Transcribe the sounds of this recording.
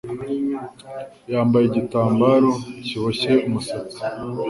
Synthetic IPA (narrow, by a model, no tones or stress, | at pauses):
jaːmbajeɟitaːmbaɾo̞ciβoçe̞umusat͡si̥